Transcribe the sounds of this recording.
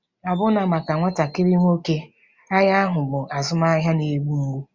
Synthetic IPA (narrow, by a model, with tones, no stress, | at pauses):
a˨bʊ˦na˨ma˨ka˨ŋʷa˦ta˨kɪ˦ɾi˦ŋʷ˦o˦ke˦ | a˦ja˦ɦʊ˨bʊ˨ʔa˨zʊ˦ma˦ɦja˦ne˨˦ɡ͡bu˦ŋ̩˦ɡʷu˦